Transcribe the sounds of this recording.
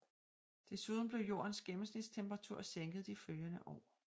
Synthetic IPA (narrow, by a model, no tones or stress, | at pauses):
d̥e̝suð̞ˠn̩b̥le̝ʊjo̝̰ːɐnsɡ̥emn̩snid̥st͡sʰemb̥ʁɑ̈t͡sʰuɐ̰seŋɡ̥ð̩ˠd̥iføljɐnəʔɒ̰ː